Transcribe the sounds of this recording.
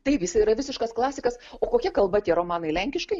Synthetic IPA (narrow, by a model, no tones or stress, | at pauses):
t̪ɐɪpjɪsɐɪiːɾɐʋʲɪsʲɪʃkɐsklˠɑːsʲɪkɐsoːkoːkʲɛkɐlˠbɐt̪ʲiɛɾoːmɑːnɐɪlʲɛŋʲkʲɪʃkɐɪ